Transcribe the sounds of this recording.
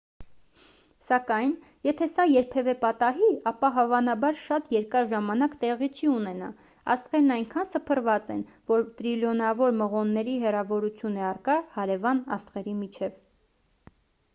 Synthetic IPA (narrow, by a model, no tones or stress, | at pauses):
sɑkɑjn | jɛt̪ʰɛsɑjɛɾpʰɛvɛpɑt̪ɑɦiɑpɑɦɑvɑnɑbɑɾʃɑt̪jɛɾkɑɾʒɑmɑnɑkt̪ɛʁit͡ʃʰiunɛnɑ̰ | ɑ̰st̪ʁɛɾnɑjŋkʰɑnsəpʰərvɑt͡sɛ̰n | vɔɾt̪ɾiljɔnɑvɔɾməʁɔnːɛɾiɦɛrɑvɔɾut͡sʰjunɛɑrkɑhɑɾɛvɑnɑ̰st̪ʁɛɾimit͡ʃʰɛv